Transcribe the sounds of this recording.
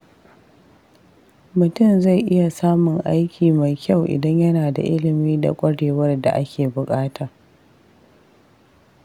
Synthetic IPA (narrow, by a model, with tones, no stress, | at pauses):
mʊ˨tʊ˦˨mza˦˨jʔɪ˦ja˨saː˦mʊ˨ŋʔa˦jkʲiː˨ma˨jkʲa˦˨wʔɪ̰˨dɐ˦ɲjɐ˦naː˨da̰˨ʔɪ˦lɪ˨miː˦da̰˨kʷʼɐ˦ɽeː˨wɐ˦rda̰˨ʔa˦kʲeː˨bʊ˨kʼaː˦tʰaː˨